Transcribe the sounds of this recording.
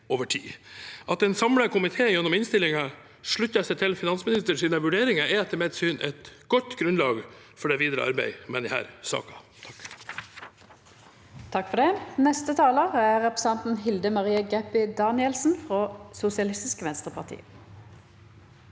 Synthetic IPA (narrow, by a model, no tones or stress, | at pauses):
oːʋəʈʰḭːʔɑt̪ɛːnsɑmləkʰʊmɪt̪ʰeːjɛnːʊmɪnst̪ɪlɪŋɑ | ʂɭʉçəsɛɪt̪ʰɪlfɪnɑnsmɪnɪst̪əʂiːnəʋʉɖeːɾɪŋɑɛɛt̪ʰːəmeːd̪syːnʔɛt̪ɡ̥ɔt̪ːɡɾʉnlɑːɡ | fɔɖɛʋiːd̪ɾə̰ʔɑ̰ɾbæ̰ɪmɛnɪhæ̰ːɾsɑ̰ːkɑ̥ | t̪ʰɑ̥k | t̪ʰɑkfɔʁd̪ɛnɛst̪ət̪ʰɑːləʁəæːʁɛpəsɛnt̪n̩ɦɪld̪əmɑʁiːəɡɛpɪd̪ɑːnɪəlsn̩fʁoːsʊsɪɑlɪst̪ɪskəʋɛnst̪ʁəpʰɑʁt̪ʰḭːə